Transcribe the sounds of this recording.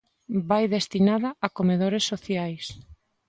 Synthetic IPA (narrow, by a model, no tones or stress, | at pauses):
bajðest̪inaðɐːkomeðoɾesːoθjajs